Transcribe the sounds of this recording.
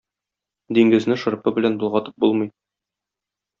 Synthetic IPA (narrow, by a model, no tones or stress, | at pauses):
d̪iŋɡɘ̆znɘʃɤ̆ɾpɤbɘ̆lænbŏlˠʁɑt̪ɤ̥p̚bulˠmɤj